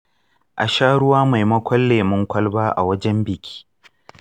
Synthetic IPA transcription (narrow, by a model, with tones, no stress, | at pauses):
ʔa˨ʃaː˦ɽʊ˦waː˦ma˨jmɐ˦kʷʰɐ˦lːeː˨mʊ˦ŋkʷɐ˦lbaː˦ʔa̰˨wɐ˦d͡ʒɛ˦mbɪ˨kʲʰi̥ː˦